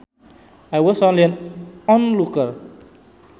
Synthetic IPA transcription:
ajwɔsõnliãnɔ̃nlukal

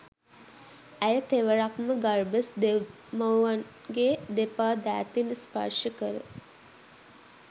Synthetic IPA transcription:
æjət̪eʋəɾakməɡarbəsd̪e | məwʋan | ɡed̪epaːd̪æːt̪inəspa̰rʃəkəɾə̰

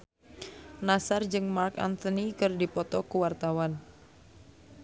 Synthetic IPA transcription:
nasard͡ʒɨŋmarka̰nt̪ɔnikɨrdipɔt̪ɔkuwart̪awan

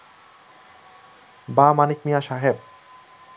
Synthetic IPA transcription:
bamanik̚mijaʃaɦeb

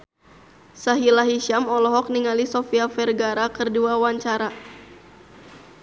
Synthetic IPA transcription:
saɦilaɦiʃamɔlɔɦɔk̚niŋalisofiafɛrɡaɾakɨrduawaɲt͡ʃaɾa

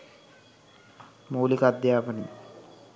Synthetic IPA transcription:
mowlikad̪jaːpɐnḭ

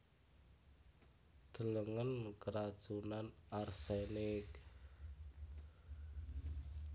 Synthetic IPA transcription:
d̪̥ə̤ləŋənkəɾad̥ʒ̥unanarsenɪk

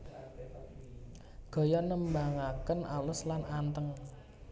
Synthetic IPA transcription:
ɡ̥ɔ̤jɔnəmbaŋakənalʊslanant̪əŋ

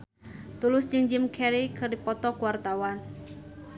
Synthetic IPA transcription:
t̪ulʊsd͡ʒɨŋd͡ʒɪmkʰɛɾikɨrdipɔt̪ɔkuwart̪awan

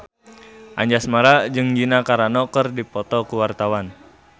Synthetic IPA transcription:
ʔaɲd͡ʒasmaɾad͡ʒɨŋd͡ʒinakaɾanɔkərdipɔt̪ɔkuwart̪awan

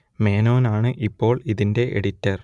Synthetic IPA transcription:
me̞ːno̞ːnaːɳɨʔipːo̞ːɭiðinde̞ʔeɽitːɐr

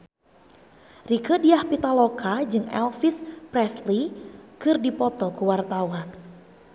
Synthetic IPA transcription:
rikədiahpit̪alokʰad͡ʒɨŋɛ̰lfispɾɛslikɨrdipɔt̪ɔkuwart̪awan

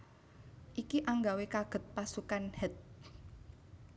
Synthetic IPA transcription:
ʔikiʔaŋɡawekaɡ̥ə̤t̪̚pasukanhət̪̚

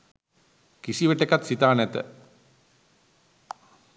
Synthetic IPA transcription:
kisiʋəʈekat̪sit̪aːnɛt̪ə

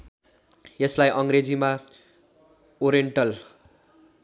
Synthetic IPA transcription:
jʌslajʔʌŋred͡zima | oɾieɳʈʌl

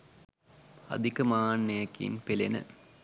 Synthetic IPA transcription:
ɐ̰d̪ʱikɐmanːejɐkːḭnpelenə̰

